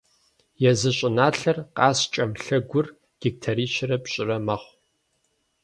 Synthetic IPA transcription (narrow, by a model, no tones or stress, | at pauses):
jɛzɨɕʼɪnaːɬɐrqɑːst͡ʃʼɐmɬɐɡʷʊr | ɡ̥ɪk̚tʰɐɾiːʃɪrɐpɕʼɪrɐmɐχʷ